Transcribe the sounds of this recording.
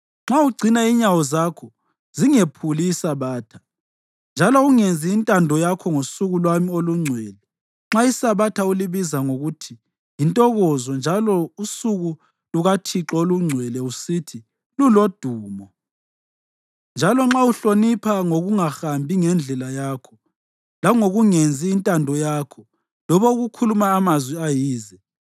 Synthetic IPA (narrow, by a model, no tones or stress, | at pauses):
ŋ͡ǁauɡ͡ǀʱinaiɲawɔzakʰɔ | ziŋepʰuliːsaβaːtʰḁ | nd͡ʒʱalɔuŋend͡zʱiːntʼandʱɔjakʰɔŋosuɣulwamioluŋ͡ǀʱwɛlɛ | ŋ͡ǁaisaβatʰauliβizaŋoɣutʰi | intʼɔɣɔzɔnd͡ʒʱalɔusuɣu | luɣatʰiǁoluŋ͡ǀʱwɛlɛusitʰi | lulod̥ʱuːmɔ | nd͡ʒʱalɔŋ͡ǁauɬonipʰaŋoɣuŋaxambʱiŋɛnd͡ɮʱɛlajaːkʰɔ̥ | laŋoɣuŋend͡zʱiːntʼandʱɔjaːkʰɔ | lɔβɔuɣukʰulumaːmazwiajiːzɛ